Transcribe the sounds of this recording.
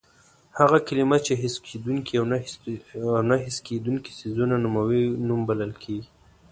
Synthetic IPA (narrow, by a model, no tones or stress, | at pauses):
haɣakalimat͡ʃeɦɪsked̪unkiawn | awnaɦɪsked̪unki̥sizunanumawinumbalalkʰeɡi